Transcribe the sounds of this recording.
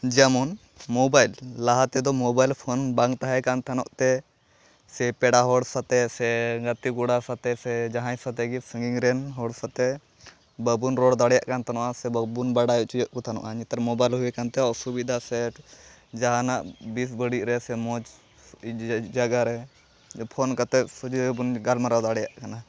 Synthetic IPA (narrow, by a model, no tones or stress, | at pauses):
d͡ʒamɔn | mɔbajlːaɦat̪ɛd̪ɔmɔbajlpʰɔnbaŋɡt̪aɦɛkant̪ʰanɔʔt̪ɛ | sɛpɛɽaɦɔɽsat̪ɛsɛɡət̪ikuɽasat̪ɛsɛd͡ʒaɦãjsat̪ɛɡisəŋɡiŋɾɛnɦɔɽsat̪ɛ | bəbunɾɔɽd̪aɽɛjaʔkant̪ʰanɔʔasɛbəbunbaɽajɔʔt͡ʃijɔʔkɔt̪ʰanɔ̰ʔaɲit̪aɾmɔbajlɦuɛkant̪ɛɔʔsubid̪ʱasɛʈd͡ʒaɦanaʔbis̬bəɽiʔɾɛsɛmɔd͡ʒ | d͡ʒaɡaɾɛ | pʰɔnkat̪ɛsud͡ʒbunɡalmaɾad̪aɽɛjaʔkana